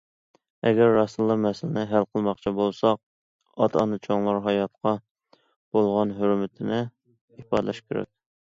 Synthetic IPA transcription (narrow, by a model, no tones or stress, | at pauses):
ɛɡʲɛɾːɑsɨlˠːɑmɛsɪlɪnɪɦælqʰəlˠmɑχt͡ʃʰibolˠsɑq | ɑt̪ʰɑ̰nɨt͡ʃʰoŋlˠɑɾɦɑjɑt̪qɑ | b̥olˠʁɑnɦøɾmɪt̪ʰɪnɪ | ipɑ̰d̪lɛʃkʲeɾɛ̰k̚ʲ